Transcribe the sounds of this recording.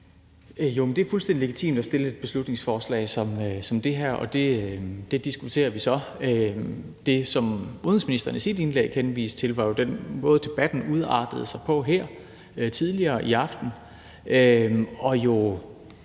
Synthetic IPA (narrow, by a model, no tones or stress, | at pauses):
jo̝mend̥e̝æɐfulsd̥endile̝ɡit͡sʰḭːmd̥ɒsd̥e̝ləe̝d̥̚b̥e̝slud̥ne̝ŋsfɒːslɛ̰ːɪsɒ̽msɒ̽md̥e̝ɦæɐ̰ɒ̽d̥e̝d̥e̝d̥isɡ̥ut͡sʰe̝̰ːɐʋisɒ̽ø | d̥e̝sɒ̽muðˠn̩n̩sminisd̥ɐnəisid̥e̝nlḛːɡ̥henʋḭːst͡sʰe̝lʋɑ̈jo̝d̥en̰mɔːðˠd̥e̝b̥æd̥n̩uð̞ˠɑ̰̈ːd̥əð̩ˠsɑ̈ɪpʰɒ̽ɦæɐ̰ | t͡sʰið̞ˠliɐːʔiɑ̈fd̥n̩ | ʔøɒ̽jo̝